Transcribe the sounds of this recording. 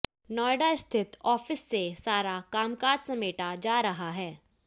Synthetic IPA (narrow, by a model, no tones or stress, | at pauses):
nɔːjɖaɪst̪ʰɪt̪ɔːfɪsːesaːɾakaːmkaːd͡ʒsɐmeːʈad͡ʒaːɾɐɦaɦɛː